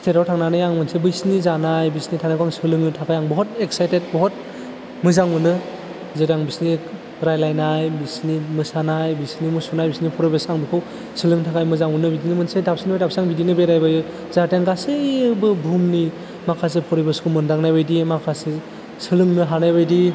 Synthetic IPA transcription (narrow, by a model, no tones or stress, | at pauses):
tʰetawtʰaŋnanɯjaŋmɯnsebɯjsnizanajbisnitʰanakʰaŋsɯlɯŋɯtʰakʰajaŋbɔɦɔt̚ek̚sajtet̚bɔɦɔt̚ | mɯzaŋɯnɯ | zɯɾaŋbisni | ɾajlajnajbisnimɯsanajbisnimusunajbisnipʰɔɾɔbasaŋbikʰaw | sɯlɯŋtʰakʰajmɯzaŋɯnɯbidinɯmɯnsedap̚sinibajdap̚saŋbidinɯbejɾajbajɯ | zateŋɡasɯbɯbʱumni | makʰas̬epʰɔɾijbaskʰumɯndaŋnajbɯjdimakʰase | sɯlɯŋnɯɦanajbajdi